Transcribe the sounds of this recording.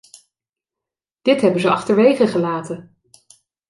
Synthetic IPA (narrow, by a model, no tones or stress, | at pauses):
d̥ɪtɦɛbənzəɑχtəɹʋejχəχəlaːtə